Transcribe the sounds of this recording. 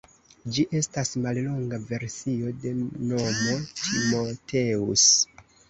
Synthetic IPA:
d͡ʒiʔe̞stasmallo̞ŋɡave̞ɾsio̞de̞no̞mo̞tʰimo̞tʰe̞us

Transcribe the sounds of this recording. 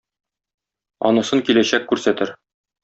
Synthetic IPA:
ɒ̰nɤ̆sɤŋkilæɕækːʉɾsæt̪ɘɾ

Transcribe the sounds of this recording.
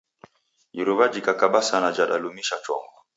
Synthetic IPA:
iɾɔβad͡ʒikakaɓasanad͡ʒaɗalumiʃat͡ʃɔ̰ŋɡɔ

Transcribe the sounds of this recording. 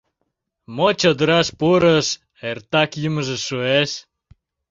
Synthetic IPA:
mot͡ɕəd̪əɾɑʃpuɾəʃ | ert̪ɑkjəməʒĕʃueʃ

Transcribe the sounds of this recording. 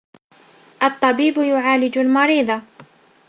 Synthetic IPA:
ʔɑt̪ˤːɑbiːbjʊʕaːlɪd͡ʒalmɑɾiːd̪ˤɑ

